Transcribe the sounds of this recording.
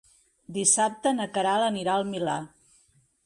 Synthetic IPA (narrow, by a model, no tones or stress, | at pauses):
d̪isap̚t̪ənəkəɾaləniɾaəlˠmila̰